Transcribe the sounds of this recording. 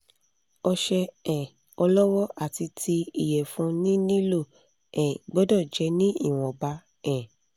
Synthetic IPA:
ɔ˧ʃɛ˧ɛ̃˨ | ɔ˧lɔ˦wɔ˦ʔa˦˨ti˧tʰi˧i˨jɛ˨fũ˧˦nĩ˦nĩ˦lo˦˨ | ɛ̃˨ɡ͡bɔ˦dɔ˦˨d͡ʒɛ˨˦nĩ˦i˦˨w̃ɔ̃˨ba˨˦ | ɛ̃˨

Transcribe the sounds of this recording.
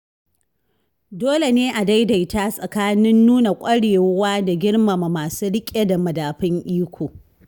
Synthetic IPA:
doː˦le˨neː˦ʔa˨da˦jda˨jta˦sʼɐ˨kaː˦nɪ˦nːuː˦na˨kʷʼɐ˦ɽeː˨wwaː˦da˨ɡʲɪ˦ɽma˨ma˨maː˨suː˦ɽɪ˦kʲʼe˦da˨mɐ˨daː˨ɸɪ˦ŋʔiː˦kʷʰoː˨

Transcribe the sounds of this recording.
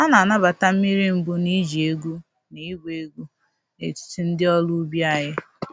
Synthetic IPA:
a˦na˨na˦ba˨ta˦m̩˦mi˦ɾi˦m̩˦bʊ˦ni˦d͡ʒi˨e˦ɡu˦ | ni˨˦ɡʷe˦ɡu˦ | e˨tɪ̥˨ti˦n̩˦dɪ˦ɔ˦lu˦bja˦ɦɪ˦

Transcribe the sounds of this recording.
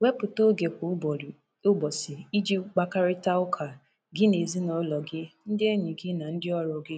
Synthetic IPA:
we˦pʊ˨to˦ɡe˨kʊ˨˦˨ | ʊ˦bɔ˨sɪ˨i˦d͡ʒi˦k͡pa˦ka˦ɾɪ˦ta˦ʊ˦kʰa˨ | ɡɪ˦ne˨zi˦nɔ˨˦lɔ˨ɡɪ˦n̩˦dɪ˦e˦ɲi˨ɡɪ˦na˨n̩˦dɪ˦ɔ˦ɾʊ˨ɡɪ˦

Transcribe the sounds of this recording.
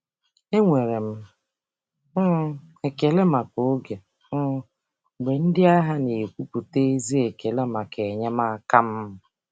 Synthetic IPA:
e˦ŋʷe˨ɾe˨m̩˦ | e˨ke˨le˦ma˨ko˨o˦ɡe˨˦ | ɡ͡be˨n̩˦dɪ˦a˦ɦa˦ne˨kʷu˦pu˨te˦zi˦e˨ke˨le˦ma˨ke˨ɲa˦ma˦a˦ka˦m̩˦˨

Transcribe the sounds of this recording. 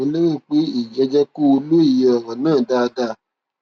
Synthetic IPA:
õ˧le˦ɾĩ˦˨k͡pe˨˦i˦˨d͡ʒɛ˧d͡ʒɛ˦ku˦o˧lo˦i˦˨jɔ˨ɾɔ̃˨nãː˦˨da˦˧da˧˨

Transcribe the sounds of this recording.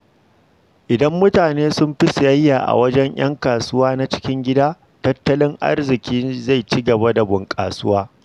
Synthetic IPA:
ʔɪ˨dɐ˦mːʊ˦taː˨neː˦sʊ˦mɸɪ˦sjɐ˦jːaː˨ʔa̰˨wɐ˦d͡ʒɛ˦ɲj̰ɐ̰˦ŋkaː˨sʊ˦waː˦na˦t͡ʃɪ̥˦kʲɪ˦ŋɡʲɪ˦daː˦ | tɐ˦tːɐ˦lɪ˦ŋʔa̰˦rzɪ˨kʲiː˦za˦˨jt͡ʃi˦ɡɐ˨ba˦da˨bʊ˨ŋkʼa̰ː˨sʊ˦waː˦

